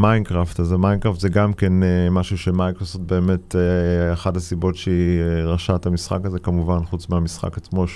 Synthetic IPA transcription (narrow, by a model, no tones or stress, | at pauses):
majnkʁaftazamajnkʁaftzeɡamkenemaʃuʃemajkʁosoft̪̚be̞ːme̞teexathasibo̞tʃeiʁaʃatamisχa̰kazekamuvanχut͡smeamisχa̰kat͡smo̞ʃ